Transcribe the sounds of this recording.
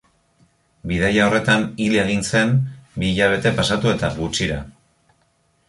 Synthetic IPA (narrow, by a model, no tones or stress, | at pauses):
bið̞ajao̞re̞t̪anilieɣ̞inse̞mbiːʎaβ̞e̞t̪e̞pasat̪ue̞t̪aβut͡ʃiɾa